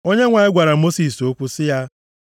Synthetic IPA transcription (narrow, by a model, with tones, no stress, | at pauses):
o˦ɲe˦ŋʷa˨ɪ˦ɡʷa˨ɾa˨mo˦si˨so˦kʷu˦sɪ˦ja˦